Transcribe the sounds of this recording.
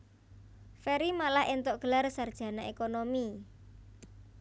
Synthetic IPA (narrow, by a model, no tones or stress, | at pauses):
feɾimalahent̪oʔɡ̥ə̤larsard̥ʒ̥ä̤naʔekonomi